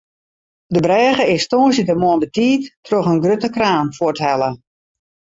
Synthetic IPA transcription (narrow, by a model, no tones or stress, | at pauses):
dəbrɛːɣəɪstoːsjətəmoənbətiːtːrɔxənɡrøtəkraːnfʊtɦɛlə